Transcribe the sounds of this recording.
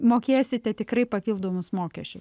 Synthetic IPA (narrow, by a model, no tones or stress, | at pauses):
moːkʲeːsʲɪt̪ʲɛt̪ʲɪkrɐɪpɐpʲiːlˠd̪oːmʊsmoːkʲɛʃʲt͡ʃʲʊs